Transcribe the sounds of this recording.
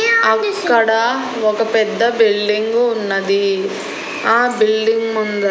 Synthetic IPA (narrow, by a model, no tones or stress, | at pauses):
ɐkkːɐɽɐ | ɔkɐpɛd̪ːɐbilɖiŋɡuːnːɐd̪i | aːbilɖiŋɡmund̪ɐ